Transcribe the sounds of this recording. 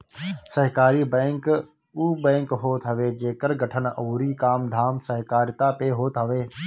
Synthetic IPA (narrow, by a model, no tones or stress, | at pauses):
sɐɦkaːɾibɛ̃ːŋk | uːbɛ̃ːŋkɦoːt̪ɦɐʋeːd͡ʒeːkəɾɡɐʈʰənɐːɾikaːmd̪ʱaːmsɐɦkaːɾt̪apeɦoːt̪ɦəʋeː